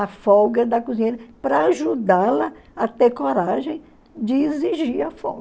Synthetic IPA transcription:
ɐfɔɡɐd̪ɐkuzĩɲeɾɐpɾɐaʒud̪alɐɐt̪eɾkoɾaʒẽj̃ | d͡ʒɪeziʒiɾɐfɔ̰ɡ

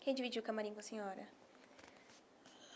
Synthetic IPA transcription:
kẽj̃d͡ʒivid͡ʒiwkamaɾĩŋɡʊɐsẽɲɔɾɐ

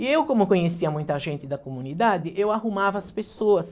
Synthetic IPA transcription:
ɪewkõmʊkõɲesiɐmũj̃t̪ɐʒẽnt̪ɪd̪ɐkomũnid̪ad̪ɪʔewahumavɐːspesoɐs

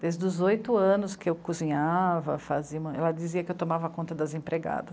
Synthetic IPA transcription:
d̪ejzd̪ʊzojt̪ʊɐ̃nʊskɪewkuzĩɲavɐfaziɐmɐ̃ɛlɐd͡ʒiziɐkɪewt̪omavɐkõnt̪ɐd̪ɐzẽpɾeɡa̰d̪ɐs

